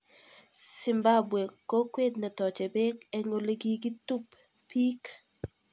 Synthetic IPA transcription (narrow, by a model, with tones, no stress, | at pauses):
sɪ˨mba˦bwe˨ko˦kwe˦d̚nɛ˨tɔ˨t͡ʃe˨be˦ke˦ŋo˨le˦ɡi˦ɡi˦tu˦p | pi˦k